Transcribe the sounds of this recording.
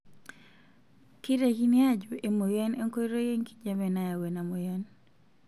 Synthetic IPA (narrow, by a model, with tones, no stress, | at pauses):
ki˦ɾe˨ki˦nja˦d͡ʒo˨ʔe˨mo˨jɛ˦ne˦ŋko˦i˦ɾo˦je˦ŋki̥˦d͡ʒa˦mɛ˨na˨ja˨we˨na˨mo˨jɛ˦n